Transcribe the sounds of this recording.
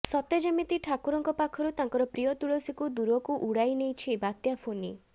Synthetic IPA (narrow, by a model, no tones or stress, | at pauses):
sɔt̪ed͡ʒɔmit̪iʈʰakuɾɔŋkɔpakʰɔɾut̪aŋkɔɾɔpɾijɔt̪uɭosikud̪uɾɔkuʔuɽajnejt͡ʃʰibat̪japʰoni